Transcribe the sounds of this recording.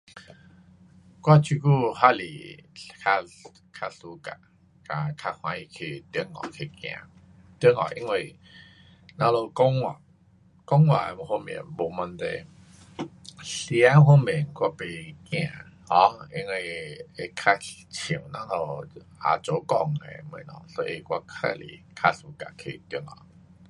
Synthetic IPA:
kwa˥˧t͡ɕʰi˧ku˥˧˨ɦa˦lḭ˨kʰa˧ | kʰa˧su˧˦ka̰˧ | ka˧kʰa˧hw̃ã̰˧˦i˧˩˨kʰe˧˨t̪i˧˦ŋːɔ̰˨˩kʰe˧˨kj̃ã̰˧˨ | t̪i˧˦ŋɔ̰˨˩ʔi˧ŋwe˧˨ | nã˦lo˧kɔ˦ŋwa̰˨ | kɔ˦˥ŋwa̰˧˩˨mo˨ho˧mḭ˨˦nbo˨˩ma˧nt̪ḛ˨ | si˧a˦ɦo˧mi˨ənkwa˧pe˧˩kj̃ã˧˨ | hɔ̃˦i˧ŋwi˧e˧kʰa˧t͡ɕʰĩ˨˩ə˦wnã˧˥lo˧ | a̰˨t͡ɕo˨˦kɔ˧ŋḛ˨mə̰̃˨˦nɔ̰˨˩so˧˦ḭ˧˨kwa˧kʰa̰˧˩lḭ˨kʰa˧su˦ka̰˧˨kʰḛ˧˨t̪i˧əŋɔ̰˨˩

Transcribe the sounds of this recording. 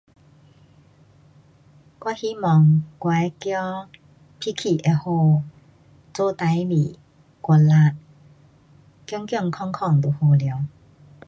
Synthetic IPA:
kwa˧˥hi˦mɔ˨˦ŋkwa˨˦kjɔ˦ | pʰi˦˥kʰi˨˩ʔe˨˧ho˧ | t͡so˥˦t̪a˨˧˦jli˨ | kwɔ˧nla˧t̚ | kjɔ˦ŋkjɔ˥˧˨ŋkʰɔ˧ŋkʰɔ˥˧˩ŋt̪o˨˩ho˧lja˨˦w

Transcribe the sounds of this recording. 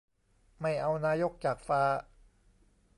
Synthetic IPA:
ma˥˩jʔa˧wnaː˧jo˦˥k̚t͡ɕaː˨˩k̚faː˦˥

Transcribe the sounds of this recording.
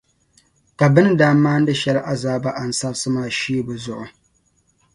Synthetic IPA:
ka˨bɨ˦nɨ˦daː˦m˦maː˦n̩˦dɨ˦ʃɛ˦lʔa˦zaː˦ba˦ʔa˨n̩˨sa˦bsɨ˦maː˦˨ʃiː˦bɨ˨zʊ˨ʔʊ˨

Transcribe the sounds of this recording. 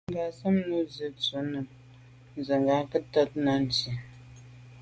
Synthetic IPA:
ŋ̩˦ɡa˨sə˦mnu˨˦zə˨t͡su˨nə˨m | n̩˨zə˨ŋɡa˨kə˦tɔ˦t̚na˨n̩˨ti˨

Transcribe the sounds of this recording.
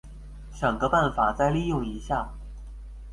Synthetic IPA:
ʈ͡ʂə˨˩ŋɡə˦pa˥˩nfa˨˩t͡sa˥˧ɪli˥˧jʊ˥˩ŋi˧˥ɕja˥˩

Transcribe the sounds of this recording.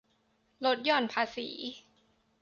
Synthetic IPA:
lo˦˥t̪̚jɔː˧˩npʰaː˧sḭː˩˦

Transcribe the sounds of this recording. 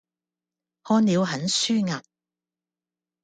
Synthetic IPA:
hɔː˥nliː˨˧wɦɐ˨˥nsyː˥ŋaː˨t̚

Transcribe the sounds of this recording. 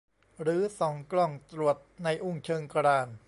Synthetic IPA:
ɾɯː˩˦sɔ˩˦ŋklɔ˧˩ŋt̪ɾu˨˩ət̪̚na˧jʔu˧˥˩ŋt͡ɕʰɤː˧ŋkɾaː˧˩n

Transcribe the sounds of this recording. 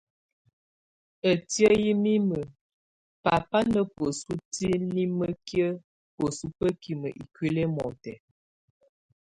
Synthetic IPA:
ə˨tjə˦ji˦mi˦mə˨ | pa˨pa˦nə˦pə˨su˦ti˦li˦mə˦kjə˦ | pə˨su˦pə˦ki˨mə̰˨ʔḭ˨kɥe˦lɛ˦mɔ˨tɛ˨

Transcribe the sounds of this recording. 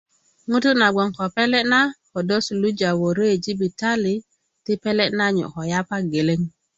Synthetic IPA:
ŋu˦tu˦na˨ɡ͡bo˨ŋko˨pe˦le˦na˦ho˨do˦su˨lu˦d͡ʒa˨wo˨ɾo˦e˨d͡ʒi˦bi˨ta˦li˨ | ti˦pe˦le˦na˦ɲṵ˨ko˨ja˦pa˦ɡe˨le˦ŋ

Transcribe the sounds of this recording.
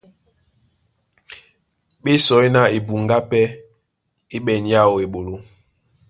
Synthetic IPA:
ɓe˦sɔ˨i˦na˦e˨bu˨ŋɡa˦pɛ˦ | e˦ɓɛ˨n˨ja˦˨o˨e˨ɓo˨lo˦

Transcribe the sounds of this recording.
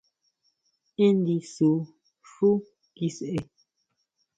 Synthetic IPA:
e˦n˦di˨su˨˦ | ʃu˦ | ki˦se˨ʔe˨

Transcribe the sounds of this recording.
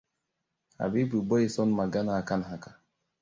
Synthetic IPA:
a̰˨bi˦bɾu˨bɔ˦i˨sɔ˦nma˨ɡa˦na˨ka˦nɦa˨ka˨

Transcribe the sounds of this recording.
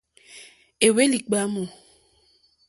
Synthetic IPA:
e˨we˦li˨k͡pa˦mo˨

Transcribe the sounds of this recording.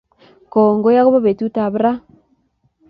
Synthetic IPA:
kɔ˨ŋɡo˦ja˦ɣo˦βa˦βe˨tu˦ta˨βɾa˦

